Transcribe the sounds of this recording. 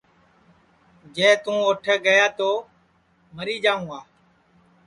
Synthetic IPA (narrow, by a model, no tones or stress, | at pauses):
d͡ʒɛ̃ːt̪ũːoːʈʰeːɡəjaːt̪oː | məɾiːd͡ʒaːũːaː